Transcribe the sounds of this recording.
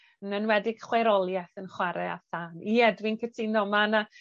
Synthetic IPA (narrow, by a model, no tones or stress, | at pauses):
nənwɛdɪɡ̥χweɾɔlˠjɛθənχwaɾɛa̰θaːniɛdwɪnkʰətʰinɔmana